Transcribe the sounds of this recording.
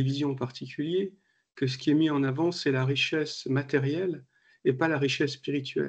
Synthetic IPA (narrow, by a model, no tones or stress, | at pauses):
evizjɔ̃paʁt̪ʰikʲylje | kəs̬ə̥kʲiɛmiɑ̃navɑ̃sɛlaʁiʃɛsmat̪ɛʁjɛl | epalaʁiʃɛsːpiʁit̪ɥɛ̰l